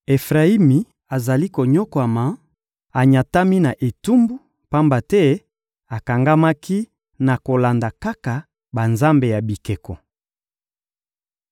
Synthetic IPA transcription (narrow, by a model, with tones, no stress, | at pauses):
e˨fʁa˨i˦mi˨ | a˨za˨li˦ko˨ɲɔ˦kwa˨ma˨ | a˨ɲa˨ta˦mi˦na˨ʔe˨tu˦mbu˦ | pa˦mba˨tɛ˦ | a˨ka˨ŋɡa˦ma˦kʰi˦ | na˨ko˨la˨nda˨ka˦ka˨ | ba˨nza˦mbe˨ja˨bi˨ke˨kɔ˨